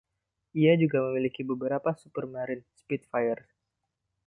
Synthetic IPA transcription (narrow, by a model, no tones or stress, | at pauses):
ʔiad͡ʒuɡaməmilikibəbəɾapasupərmaɾɪnspit̪̚fajər